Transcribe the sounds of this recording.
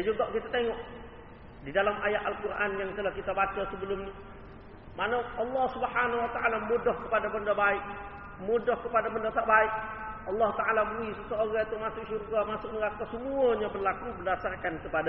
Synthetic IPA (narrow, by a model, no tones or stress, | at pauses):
jad͡ʒuɡaʔkit̪at̪eŋɔʔ | didalamʔajaʔalkurʔanjaŋt̪əlahkit̪abat͡ʃasəbəlʊmni | manaɑlːɑhsubħanawat̪aʔalamodɔhkəpadabəndabaɪk̚ | modɔhkəpadabəndat̪aʔbaɪk̚ | ɑlːɑhut̪aalabuisəsooɡat̪umasʊkʃurɡamasʊk̚nəɡak̪asəmuaɲabərlakubərdasarkankəpada